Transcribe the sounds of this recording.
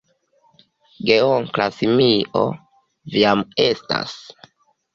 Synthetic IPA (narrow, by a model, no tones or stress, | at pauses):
ɡeoŋklasimiʔo̰ | viamesta̰s